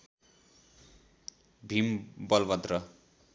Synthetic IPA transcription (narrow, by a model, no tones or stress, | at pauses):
bʱimbʌlbʌd̪rʌ